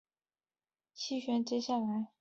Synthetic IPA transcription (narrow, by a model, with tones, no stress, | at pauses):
t͡ɕʰi˥ɕɥɛ˧˥nt͡ɕjɛ˥ɕja˥˩la˧˥ɪ